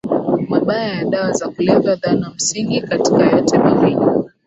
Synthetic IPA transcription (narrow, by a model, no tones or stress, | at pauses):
maɓajajaɗawazakulɛvaðanam̩siŋɡikatikajɔtɛmawini